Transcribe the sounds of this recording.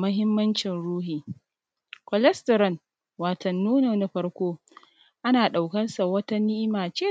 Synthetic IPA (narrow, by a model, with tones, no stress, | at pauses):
mɐ˦ɦɪ˦mːɐ˦nt͡ʃɪ˨nɽuː˦ɦiː˨ | kɔ˨lɛ˦stɐ˨ɾɐ˨n | waː˨tʰɐ˨nːuː˦na˨na˦ɸɐ˦rkʷoː˦ | ʔa˦naː˨ɗa˨wkɐ˦nsa˨wɐ˦ta˦nɪ˦ʔɪ˦maː˨t͡ʃeː˦